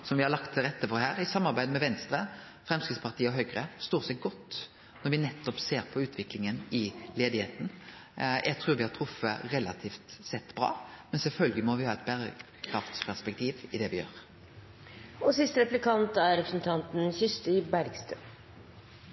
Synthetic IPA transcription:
sɔmʋɪhɑɾlɑkt̪ʰɾɛt̪ːəfɔɾɦæːɾɪsɑmːɑɾbæɪd̪əmɛʋɛnst̪ɾə | fɾɛmskɪt̪spʰɑʁt̪ʰiːəɔɦœʏɡɾəst̪oːʁsɛɡɔt̪ː | nɔɾʋɪnɛt̪ːɔpseːɾpʰɔʉːt̪ʰʋɪklɪŋənɪleːd̪ɪheːt̪n̩ | jʔæɪɡt̪ʰɾʉːɾʋɪhɑʈ̪ʰɾʊfːəɾɛlɑt̪ʰiːft̪sɛt̪ːbɾɑ̰ːmɛnsɛlfœlɡlɪmɔʋɪhɑːɛt̪̚bæːɾə | kʰɾɑft̪spʰæʁʂpɛk̚t̪ʰiːʋɪd̪ɛʋɪjø̰ːɾ | ɔsɪst̪əɾɛplɪkʰɑnt̪æɾɾɛpɾəsnt̪ʰɑnt̪n̩çʏst̪ɪbæɾɡst̪œː

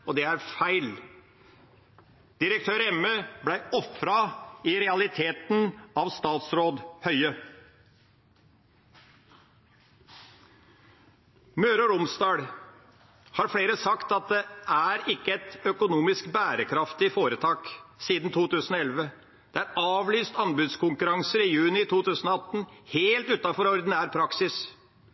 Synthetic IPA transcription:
ɔd̪ɛæɾfæɪl | d̪̥ɪɾək̚t̪ʰøːɾɛmøːblæɪɔfɾɑɪɾɛɑlɪt̪ʰeːt̪n̩ɑʋst̪ɑːt̪sɾoːd̪hœʏə | møːɾəɾʊmst̪ɑːɽ | hɑːɾfɽeːɾəsɑkt̪ɑt̪̚d̪ɛʔæɾɪkːəɛt̪œkʊnuːmɪskbæːɾəkʰɾɑft̪ɪfoːɾət̪ʰɑːksiːd̪n̩t̪ʰuːt̪ʉːsn̩ɔɛlʋə | d̪̥ɛæɾɑːʋlyːst̪ɑnbʉd̪skʊŋkʉɾɑŋsəɾɪjʉːnɪt̪ʰuːt̪ʉːsən̩ɔɑt̪ːn̩heːlt̪ʉːt̪ɑfɔɾɔɾd̪n̩æːɾpʰɾɑksɪs

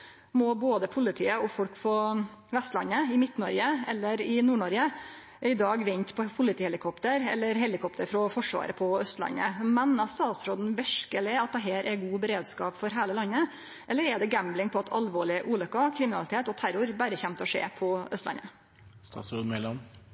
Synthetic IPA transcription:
mɔboːd̪əpʰʊlɪt̪ʰiːəɔfɔlkfɔʋɛst̪lɑnːəɪmɪt̪ːnɔɾɡəɛlːəɾɪnuːɳɔɾə | ɪd̪ɑːɡʋɪnt̪pʰɔpʰʊlɪt̪ʰiːhɛlɪkʰɔpt̪əɾɛ̰lːəɾɦɛlɪkʰɔpt̪əɾfɾɔfɔʂʋɑ̰ːɾəpʰɔœst̪lɑ̰nːə̰mɛnɑʋst̪ɑːt̪sɾoːd̪n̩ʋɛʂkəlɛːɑt̪̚d̪ɛɦeːɾʔɛɾɡuːbəɾeːd̪skɑːpfɔɾɦæːləlɑnːə | ʔɛlːəɾɛd̪ɛɡæmblɪŋpʰɔɑt̪ʰɑlʋoːɭɪəʔuːlʏkːɑkʰɾɪmɪnɑlɪt̪ʰeːt̪ɔt̪ʰæɾʊɾbæɾəçɛmt̪ɔʂḛːpʰɔœst̪lɑ̰nːə | st̪ɑ̰sod̪mɛlɑn

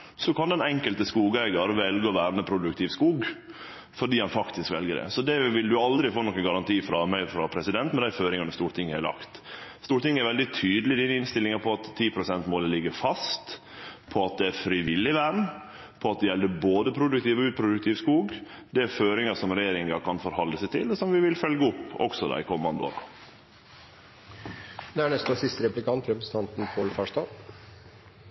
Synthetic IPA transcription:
sɔkʰɑnd̪ɛnɛŋkəlt̪əskuːɡæɪɡɑɾʋɛlɡəɔʋæːɾməpʰɾʊd̪ʉk̚t̪ʰɪʋskuːɡ | fɔɖiːhɑnfɑkt̪ɪskʋɛ̰lɡəɖɛ̰sɔd̪ɛʋɪld̪ʉɑld̪ɾɪfoːnɔkːənɡɑɾɑnt̪ʰiːfɾɑmæɪɔfɾɑpʰɾɛsɪd̪ɛnt̪mɛd̪æɪføːɾɪŋɑnəst̪uːɾt̪ʰɪŋːəælɑ̰kt̪st̪uːɾʈ̪ɪŋːəæɾʋɛld̪ɪt̪ʰyːd̪əlɪd̪iːnəɪnst̪ɪlːɪŋɑpʰɔɑt̪ʰːiːpʰɾʊsɛnt̪moːləlɪɡːəɾfɑst̪ | pʰɔɑt̪̚d̪ɛæfɾɪʋɪlːɪʋæɳ | pʰɔɑt̪̚d̪ɛjɛlːəboːd̪əpʰɾʊd̪ʉkt̪iːʋɔʉːt̪̚pʰɾʊd̪ʉk̚t̪ʰɪːʋskuːɡ | d̪ɛæɾføːɾɪŋɑsɔmɾɛjeːɾɪŋɑkʰɑnfɔɾhɔlːəsɛɪt̪ʰɪlɔsɔmʋɪʋɪlfœlɡəʊpːɔ̰ksɔd̪ɑ̰ɪkʰɔmːɑnd̪əo̰ːɾɑ̰ | d̪ɛæɳɛst̪nɑsɪst̪əɾɛplɪkʰɑnt̪ʰɾɛpɾəsə̥t̪ʰɑnt̪n̩pʰoːlfɑʂdɑː

